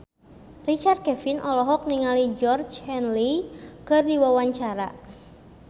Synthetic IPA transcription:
rit͡ʃart̪̚kɛfinʔɔlɔɦɔk̚niŋalid͡ʒɔrd͡ʒhɛnlikɨrdiwawaɲt͡ʃaɾa̰

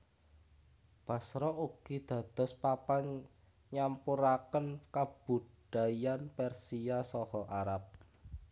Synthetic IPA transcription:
b̥a̤sɾɔʔuɡ̥id̪̥ä̤d̪̥ɔ̤spapaɲ | ɲampuɾakənkab̥ud̪̥a̤janpɛrsiasɔhɔʔaɾap̚

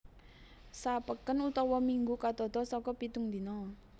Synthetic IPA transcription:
sapəkənut̪ɔwɔmiŋɡukat̪ɔt̪ɔsɔkɔpit̪uŋd̪i̤nɔ

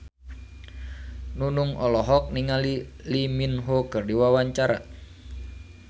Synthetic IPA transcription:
nunʊŋʔɔlɔɦɔk̚niŋaliliminɦokərdiwawaɲt͡ʃaɾa̰

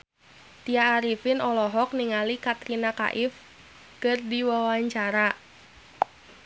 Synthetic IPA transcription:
t̪iaːɾifɪnɔlɔɦɔk̚niŋalikat̪ɾinaka̰ʔɪf | kərdiwawaɲt͡ʃaɾa

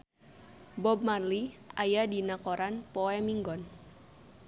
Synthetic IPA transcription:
bɔb̚marliajadinakoɾanpoɛmiŋɡɔn

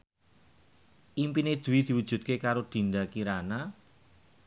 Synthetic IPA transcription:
ʔimpined̪̥ṳwid̪̥i̤wud̥ʒ̥ṳt̪̚kekaɾod̪̥i̤nd̪akiɾana

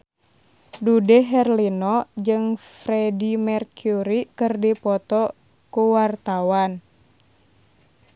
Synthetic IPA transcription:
dudɛɦɛrlinɔd͡ʒɨŋfɾɛdimɛrkjuɾikɨrdipɔt̪ɔ | kuwart̪awan

